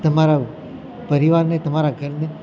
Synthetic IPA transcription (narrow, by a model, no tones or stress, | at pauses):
t̪əmaɾa | pəɾiʋaɾnet̪əmaɾaɡʱəɾne